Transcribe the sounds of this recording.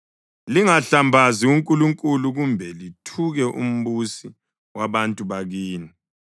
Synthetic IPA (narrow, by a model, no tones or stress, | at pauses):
liŋaɬambʱaziuŋkʼuluŋkʼuluɣumbʱɛlitʰuɣɛʔṵm̩βusi | waβantʼuβaɣiːni